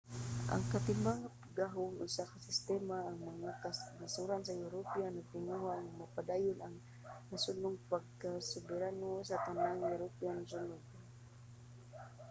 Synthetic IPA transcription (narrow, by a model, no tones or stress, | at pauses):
ʔa̰ŋkat̪ɪmaŋapaɡaɦʊŋʊsakasɪst̪ɛmaːŋmaŋakasmasuɾansajʊɾopɛanaɡ̚t̪ɪnuɦaŋamapad̪aːjʊnaŋ | nasʊnʊŋpaɡ̚kasʊbɪɾanosat̪anaŋjʊɾopianasʊnʊɡ̚